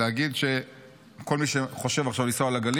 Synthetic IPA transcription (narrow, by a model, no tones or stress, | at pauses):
eaɡid̪ʃe | ko̞lmiʃeχo̞ʃe̞vaχʃavlisoalaɡali